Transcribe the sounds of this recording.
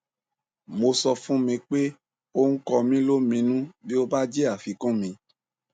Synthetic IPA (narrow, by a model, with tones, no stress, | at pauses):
mo˧sɔ˧fũ˦mĩ˧k͡pe˦ | o˦ŋ̩˦kɔ˧mĩ˦lo˦mĩ˧nũ˦bi˦o˦ba˦d͡ʒe˦a˦˨fi˨˧kũ˦mĩ˧